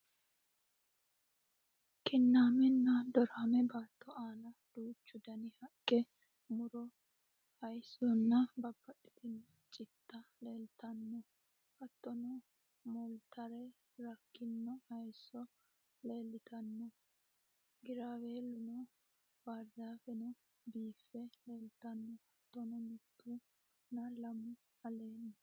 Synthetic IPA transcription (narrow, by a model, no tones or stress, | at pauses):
kɪnːaːmɛnːɐd̪ɔɾamɛbaːt̪ːɔʔaːlɐd̪̥uːt͡ʃːʊd̪ɐnɪhɐkʼːɛ | mʊɾɔ | hɐjsɔnːɐbɐbːɐɗɪ̥t̪ɪnːɐt͡ʃʼɪt̪ːɐleːlt̪ɐnːɔ | hɐt̪ːɔnɔ | mɔlt̪ɐɾɛ | ɾɐkːɪnːɔhɐjsːɔ | leːlːɪt̪ʰɐnːɔ | ɡɪɾaweːlːʊnɔ | baɾd̪aːfɛnɔ | biːfːɛeːlt̪ɐnːɔhɐt̪ːɔnɔmɪt̪ːʊ | nɐlɐmʊ | ɐleːnːɐ